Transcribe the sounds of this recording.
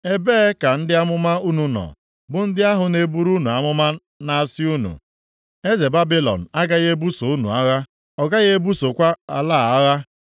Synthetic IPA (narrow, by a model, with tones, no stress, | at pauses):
e˦beː˦ka˨n̩˦dɪ˦a˦mʊ˦ma˦u˦nu˨nɔ̰˨ | bʊ˨n̩˦dɪ˦a˦ɦʊ˨ne˦bu˦ɾu˦nu˨a˦mʊ˦ma˦ | na˦a˨sɪ˦u˦nṵ˨ | e˦ze˨ba˦bi˦lɔ̰˨n̩˨a˦ɡa˦ɣe˦bu˦so˨u˦nṵ˨a˦ɣa˦ | ɔ˨ɡa˦ɣe˦bu˦so˨kʷa˦a˨laː˦˨a˦ɣa˦